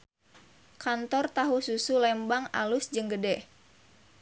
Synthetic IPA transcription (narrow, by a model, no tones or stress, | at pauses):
kant̪ɔrt̪aɦususulɛmbaŋa̰lusd͡ʒɨŋɡədɛ